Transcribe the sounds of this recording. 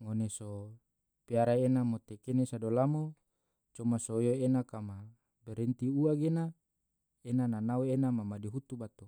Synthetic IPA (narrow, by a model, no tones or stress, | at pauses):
ŋoneso | piaɾaenamot̪ekenesadolamo | t͡ʃomasojoenakama | beɾent̪iuaɡena | enananauenamamadiɦut̪ubat̪u